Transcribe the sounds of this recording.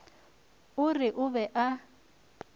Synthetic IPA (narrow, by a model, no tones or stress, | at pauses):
ʊrɪʔʊbɛʔa